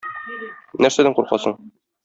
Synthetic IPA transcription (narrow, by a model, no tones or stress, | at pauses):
næɾsæd̪æɴquɾqɑ̰sɤɴ